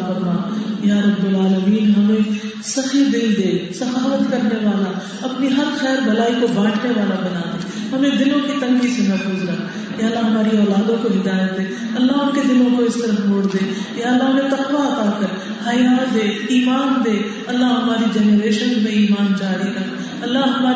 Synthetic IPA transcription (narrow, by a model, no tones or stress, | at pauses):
fɐɾmaːjaːɾɐbːʊlaːləmiːnɦɐmẽ | sɐxid̪ɪld̪eːsɐxaːʋət̪kɐɾneʋaːla | ɐpniɦɐɾxɛːɾbɐlaːikobaːʈʰneʋaːlabɐnaːd̪eː | hɐmẽd̪ɪnõkit̪ɐnbisemɐɾfuːzɾɐk | jaːəlːaɦɐmaːɾiɔːlaːd̪õkoɦɪd̪aːjət̪̚d̪eː | ɐlːaʊnked̪ɪlõkoɪst̪ɐɾəfmoːɽd̪eːjaːəlːaɦɐmẽt̪ɐkʋaɐt̪aːkəɾ | hɐːjaːtd̪eːiːmaːnd̪eː | ɐlːaɦɐmaːɾid͡ʒɛnɾeːʃənmẽiːmaːnd͡ʒaːɾikɐɾ | ɐlːaɦɐmaː